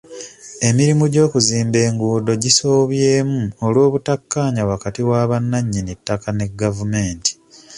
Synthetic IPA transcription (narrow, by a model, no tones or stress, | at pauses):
e̞miɾimuɟo̞ːkuziːmbe̞ːŋɡuːdo̞ɟiso̞ːβjeːmuolwo̞ːβutakːaːɲawakatiwaːβanːaɲːinitːakane̞ɡavume̞ːnti̥